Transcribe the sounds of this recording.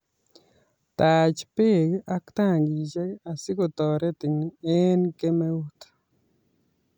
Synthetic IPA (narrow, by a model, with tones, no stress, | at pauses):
ta˨t͡ʃpe˦˨ka˦kt̪a˦˨ŋɡi˨t͡ʃe˦a˨sɪ˦ko˨t̪ɔ˨ɾɛ˦t̪i˨ŋe˦nke˦me˦u˦t